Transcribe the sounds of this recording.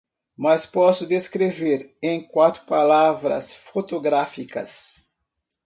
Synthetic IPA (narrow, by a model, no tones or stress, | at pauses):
mɐspɔsʊd̪eskɾeveɾẽj̃kwat̪ɾʊpalavɾɐ̰sfot̪oɡɾafikɐ̰s